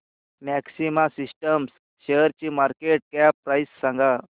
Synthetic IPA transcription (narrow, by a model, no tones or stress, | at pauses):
mɛksimasisʈəms | ɕeəɾt͡ɕiːmaɾkeʈ̚kapɾajsːãŋɡa